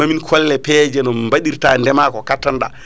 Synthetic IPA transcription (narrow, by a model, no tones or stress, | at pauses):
aminkʰɔlːɛpɛːd͡ʒɛnɔmmbaɗiɾtandɛmakɔkatːanɗa̰